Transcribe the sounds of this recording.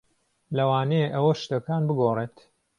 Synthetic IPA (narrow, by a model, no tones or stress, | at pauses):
lɐwaːneeʔɐwɐʃt̪ɐkaːnbɨɡoːreːt̪